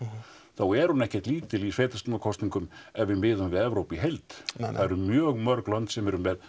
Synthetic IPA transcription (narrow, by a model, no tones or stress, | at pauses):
θawɛɾhunɛhcɛ̥t̪liːt̪ʰɪlisveːt̪ast̪ɔnakʰɔst̪niŋkʏmɛvɪmɪːðʏmvɪðɛvɾowpiɦɛlt̪θaðɛɾʏɾmjœːɣmœɾklant̪sɛmɛɾʏmɛð